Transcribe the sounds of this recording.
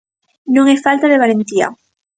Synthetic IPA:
nõŋɛfalt̪aðeβ̞alent̪ia̰

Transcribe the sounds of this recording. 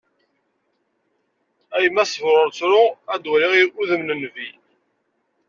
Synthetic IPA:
æjəmːæsəvɾʊɾt͡sːɾʊæd̪wæɾiʁiɾʔuðəmnənvi

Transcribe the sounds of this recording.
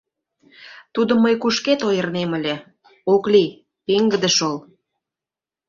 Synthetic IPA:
t̪ud̪ə̆mːəjkuʃket̪ojərneməlʲe | okli | peŋɡəd̪əʃol

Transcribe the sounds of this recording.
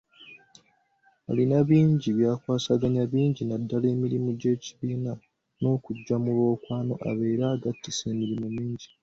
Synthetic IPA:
a̰linaβiːɲɟiβjaːkwaːsaɡaɲaβiːɲɟinadːale̞ːmiɾimuɟe̞ːci̥βiːna | no̞ːkuɟːamulwo̞ːkwaːno̞ʔa̰βe̞ːɾaːɡatːise̞ːmiɾimumiːɲɟi

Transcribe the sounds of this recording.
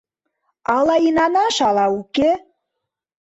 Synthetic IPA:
ɑlɑinɑnɑʃɑlɑuke

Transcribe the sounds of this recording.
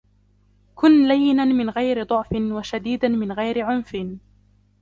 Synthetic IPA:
kʊnlajːɪnanmɪnɣajɾɪd̪ˤʊʕfɪnwaʃad̪iːd̪anmɪnɣajɾɪʕʊnfɪn

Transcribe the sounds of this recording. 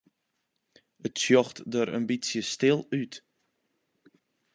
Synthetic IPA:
ətsjɔxtdəɾə̰nbisjəstɪlˠyt

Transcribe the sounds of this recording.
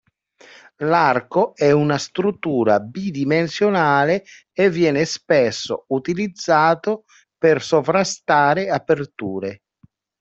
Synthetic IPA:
larkoɛunast̪ɾut̪ːuːɾa̰bid̪imensjonaːleː | vːjɛːnespesːo̰ut̪ilid̪zːaːt̪o | persovɾast̪aːɾeapert̪uːɾe

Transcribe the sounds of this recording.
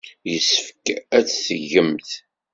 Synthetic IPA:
jəsəfəkæt͡sːθəʝəmθ

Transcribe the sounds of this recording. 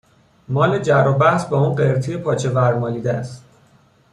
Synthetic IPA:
mɒːled͡ʒæɾobæhsbɒːuːnɢeɾt̪ʰijepʰɒːt͡ʃʰe̞væɾmɒːjiːd̪eæst̪̚

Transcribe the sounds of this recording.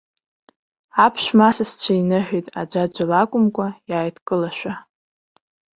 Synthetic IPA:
apʰʃʷᶣmasast͡ɕʷʰainɨħʷᶣijtʼa̰d͡ʒʷad͡ʒʷʼalakʷʼʊmkʷʼajaːjtʰkʼɨlaʃᶣʷa

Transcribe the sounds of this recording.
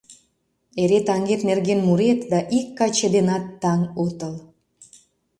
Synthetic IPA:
eɾet̪ɑŋɡet̪nerɣenmuɾet̪d̪ɑʔikːɑt͡ɕed̪enɑt̪ːɑŋot̪əl

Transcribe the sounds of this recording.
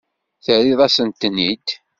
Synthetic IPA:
θəɾiðˤæsənt̪ənːit̪

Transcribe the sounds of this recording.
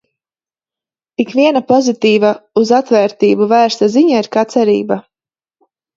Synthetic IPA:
ikvʲiɛnapɔzit̪iːvauzat̪vɛːɾt̪iːbuvæːɾst̪aziɲaiɾkat̪sɛɾḭːba

